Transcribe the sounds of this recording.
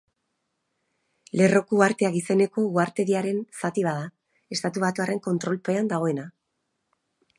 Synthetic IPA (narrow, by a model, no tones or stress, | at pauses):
le̞ro̞kuaɾt̪e̞aɣise̞ne̞ko̞uaɾt̪e̞ðiaɾe̞nsat̪iβ̞að̞a | e̞st̪at̪uβat̪uare̞ŋko̞nt̪ɾo̞lpe̞and̪aɣ̞o̞e̞na